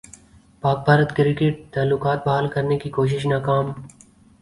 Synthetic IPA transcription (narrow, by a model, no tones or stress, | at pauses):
paːk̚bʱaːɾət̪kɪɾɪkeʈ̚t̪aːlːʊkaːt̪̚bɐɦaːlkɐɾnekikoːʃ̬ɪʃ̬naːkaːm